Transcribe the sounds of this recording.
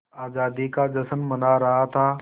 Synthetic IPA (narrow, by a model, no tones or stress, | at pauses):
aːd͡ʒaːd̪ikad͡ʒəsənmənaɾɐɦat̪ʰaː